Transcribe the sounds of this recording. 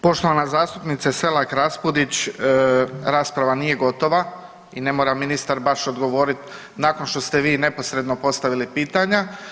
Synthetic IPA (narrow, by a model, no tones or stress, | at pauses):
po̞ʃt̪o̞ʋanazaːst̪upnit̪sase̞lakɾaspud̪it͡ɕː | ɾaːspɾaʋaniːje̞ɡo̞t̪o̞ʋa | ine̞moɾaminist̪aɾbaʃo̞d̪ɡo̞ʋo̞ːɾit̪ | naːko̞nʃt̪o̞st̪e̞ʋiːne̞po̞sɾe̞d̪no̞po̞st̪aʋilipiːt̪aɲa